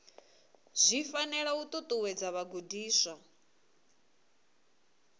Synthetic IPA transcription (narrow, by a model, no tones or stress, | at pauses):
z̥ʷifanɛɺaut̪ʼɔt̪ʼuwɛd͡zaβaɡudiːsa